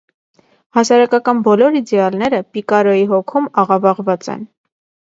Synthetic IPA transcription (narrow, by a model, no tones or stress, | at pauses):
hɑsɑɾɑkɑkɑnbɔlɔɾid̪ɛɑlnɛɾəpikɑɾɔjiɦɔkʰumɑʁɑvɑʁvɑt͡sɛ̰n